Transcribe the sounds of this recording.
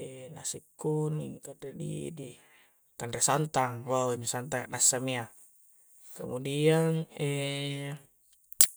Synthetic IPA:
ɛnasikːuniŋkandɾedḭdi | kandɾesant̪aŋwawiɲisant̪aŋnasamia | kəmudianɛ

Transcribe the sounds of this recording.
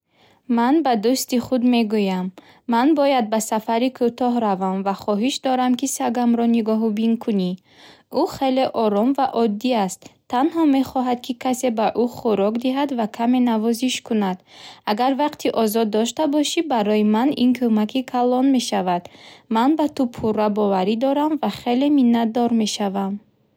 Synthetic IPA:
manbad̪ust̪iχud̪me̞ɡujamː | anbɔjad̪̚basafaɾikʰut̪ʰɔɦɾavamvaχɔɦiʃd̪ɔɾamkisaɡamɾɔniɡɔɦubiŋkʰuni | uχe̞le̞ʔɔɾɔmvaʔɔd̪ːiast̪ʰːanhɔme̞χɔɦad̪kʰikʰase̞baʔuχuɾɔkd̪iɦad̪vakʰame̞navɔziʃkʰunad̪aɡaɾvaqt̪ʰiʔɔzɔd̪ːɔʃt̪abɔʃibaɾɔjimanḭnkʰomakʰikʰalɔnme̞ʃavad̪manbat̪upʰurabɔvaɾid̪ɔɾamvaχe̞le̞minːat̪̚d̪ɔɾme̞ʃavam

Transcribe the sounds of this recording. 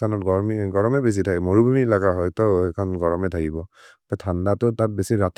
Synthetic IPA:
anɔt̚ɡɔɹmiɡɔɹɔmɛbes̬itʰakɛmoɹubumielakaɦɔjtɔɛkʰɔnɡɔɹɔmɛtʰakibɔ | patʰandatʊtat̚besiɹat

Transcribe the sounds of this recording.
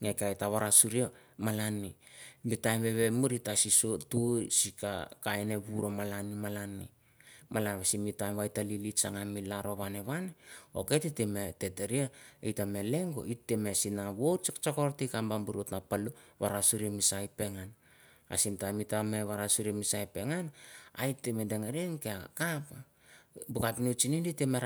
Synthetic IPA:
ŋekajtaβaɾasuɾiamalani | mbitajmβe̞βe̞muɾitasisotujsika̰kaeneβuɾomalanimalanḭ | malanβasimitajmβajtalilit͡ʃaŋamilaɾo̞βaneβaneo̰ke̞tetemete̞teɾiaejtamele̞ŋɡo̞̰ʔitːemesinaβot͡ʃt͡ʃakoɾtikambambuɾotnapaluβaɾasuɾiemisajpe̞ŋan | a̰simtamitame̞βaɾasuɾiemisajpe̞ŋana̰jtːemedeŋeɾenkeakapa | bukapnut͡ʃininditeme

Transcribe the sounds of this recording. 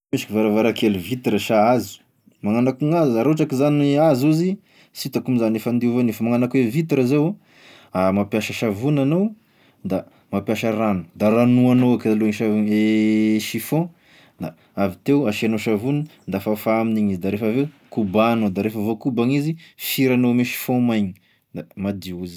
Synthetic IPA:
miʃi̥kivaɾavaɾakelivit̪iɾəʃaazi̥ | maŋanakuŋazaɾoʈ͡ʂakizanazuzi | sit̪akumizanefand̪iuvonefəmaŋanakwevit̪iɾazew | amapjaʃəʃavunanow | d̪a | mapjaʃaɾanu̥d̪aɾanuanoakaluɲʃaveʃifɔ̃ | d̪a | avit̪eaʃianoʃavunəd̪afafaaminiɲizid̪aɾefəvekubanod̪aɾefəvokubaŋizifiɾanomiʃi̥fõmajɲi̥ | d̪amad̪iuzi̥

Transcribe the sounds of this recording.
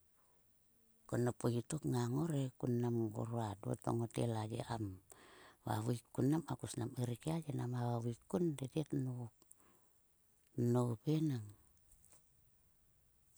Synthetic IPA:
konapoit̪okŋaŋoɾekunːamɡo̰ɾoaduo̰t̪o̰ŋot̪ḛlad͡ʒḛʔam | wa̰wuikunːamakusnamiɾikiad͡ʒenamawawikundediet̪no | noupenaŋ

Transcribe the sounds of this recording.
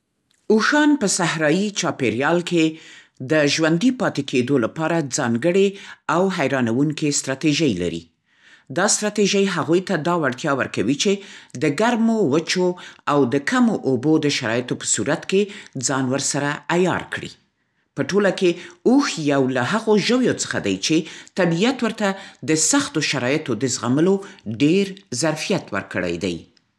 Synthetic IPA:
uxɑnpəsahɾɑjit͡ʃɑpeɾjɑlke | d̪əʒwand̪ipɑt̪ekʰed̪olapɑɾad͡zɑŋɡəɽeawɦajɾɑnawuŋkest̪ɾɑt̪eʒajla̰ɾḭ | d̪ɑst̪ɾɑt̪eʒajɦaɣujt̪ad̪ɑwaɽt̪jɑwəɾkawit͡ʃed̪əɡaɾmowət͡ʃoawd̪əkʰamoʔobod̪əʃaɾɑ̰jt̪opə̥suɾat̪ked͡zɑnwəɾsaɾaajɑ̰ɾkɽḭ | pəʈolakeuxjawlaɦaɣoʒəwjot͡sə̥xad̪ajt͡ʃet̪abijat̪wəɾt̪ad̪əsaxt̪oʃaɾɑjɪt̪od̪əzɣaməloɖeɾzaɾfijat̪wə̰ɾkə̰ɽa̰jd̪a̰j

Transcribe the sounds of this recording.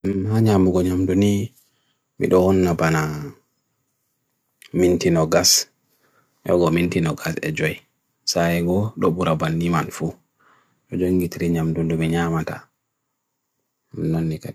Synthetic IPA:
haɲamuɡɔɲamduni | mḭɗɔhɔnːabana | mintinɔɡas | ʔɔ̰ɡɔmintinɔɡasɛ̰d͡ʒɔj | sajɛɡɔɗɔɓuɾabanːimanfu | ɗɔd͡ʒoŋɡitiɾiɲamdundumiɲamata | nonːikaɗ

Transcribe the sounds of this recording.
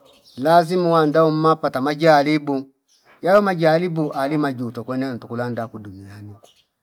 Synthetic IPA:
lazimuwandaom̩mapatamad͡ʒalibu | jalɔmad͡ʒaːlibuʔalimad͡ʒutɔkwɛnan̩tukulandakudumiani

